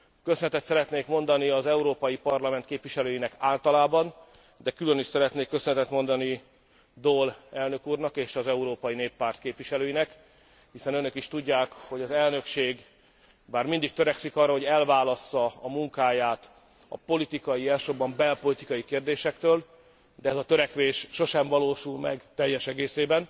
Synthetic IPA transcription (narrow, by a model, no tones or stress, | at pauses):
køsønɛt̪ɛt̪sɛɾɛt̪neːkmo̞nd̪ɒniɒzɛuɾoːpɒjipɒrlɒmɛnt̪keːpvʋiʃɛløːjinɛkaːlt̪ɒlaːbɒn | d̪ɛkylø̞niʃsɛɾɛt̪neːkːøsønɛt̪ɛt̪mo̞nd̪ɒni | d̪olɛlnø̞kuːrnɒkeːʃɒzɛuɾoːpɒjineːpːaːrt̪keːpʋiʃɛløːjinɛk | hisɛnønø̞kiʃt̪uɟːaːkho̞ɟɒzɛlnø̞kʃeːɡ | baːrmind̪ik̚t̪ø̞ɾɛksikɒrːɒɦo̞ɟɛlvaːlɒsːɒɒmuŋkaːjaːt̪ | ɒ̰po̞lit̪ikɒjiɛlʃobːɒmbɛlpo̞lit̪ikɒjikeːrd̪eːʃɛkt̪øːl | d̪ɛɛzɒt̪øɾɛkʋeːʃːo̞ʃɛɱvɒloːʃulmɛ̰ɡt̪ɛjːɛʃɛɡeːseːbɛn